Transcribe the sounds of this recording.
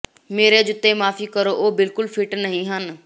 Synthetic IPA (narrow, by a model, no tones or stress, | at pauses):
meːɾed͡ʒʊt̪ːemaːfikəɾoʔoːbɪlkʊlfʰɪʈnɐɦĩɦən